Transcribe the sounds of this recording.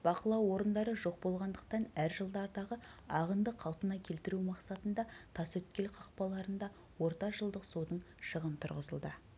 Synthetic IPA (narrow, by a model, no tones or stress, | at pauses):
b̥ɑqəlˠɑwːo̞ɾənd̪ɑɾəʒo̞q̚bo̞lˠʁɑnd̪əq̚t̪ɑnæɾʒəlˠd̪ɑɾd̪ɑʁəɑʁənd̪əqʰːɑlˠpənɑkʲʰe̞lt̪ɪɾumɑqsɑt̪ənd̪ɑt̪ʰɑsɵt̪̚kʲe̞lqʰɑq̚pɑlˠɑɾənd̪ɑ | wo̞ɾt̪ɑʒəlˠd̪əqsowd̪əɴ | ʃəʁənt̪ʰʊ̰ɾʁəzəlˠd̪ə